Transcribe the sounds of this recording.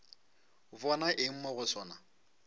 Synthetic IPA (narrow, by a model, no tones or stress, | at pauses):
vɔnaʔɪŋ̩mɔɣʊsɔːna